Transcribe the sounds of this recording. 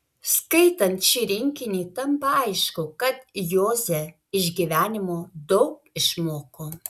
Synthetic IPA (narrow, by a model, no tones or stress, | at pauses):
skɐɪt̪ɐnt̪ʃʲiːɾʲɪŋʲkʲɪnʲeːt̪ɐmpɐɐɪʃkʊkɐt̪joːzʲɛ | ɪʒʲɡʲiʋʲæːnʲɪmoːd̪ɐʊk | ɪʃmoːkoː